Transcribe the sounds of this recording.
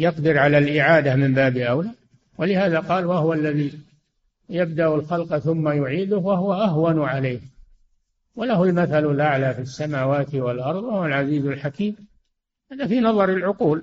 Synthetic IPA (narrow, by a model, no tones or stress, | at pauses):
jɑqd̪ɪɾʕalalʔɪʕaːd̪amɪmbaːbiʔawlaː | walɪhaːðaqɑːlwaɦʊwalːaði | jab̚d̪aʔʊlxɑlqɑθʊmːajʊʕiːd̪ʊhwaɦʊwaʔaɦwanʕalejh | walahʊalmaθalalʔaʕlaːfisːamaːwaːt̪ɪwalʔɑɾˤðˤwahʊwalʕaziːzalħakiːm | haːðafiːnɑðˤɑɾɪlʕʊquːl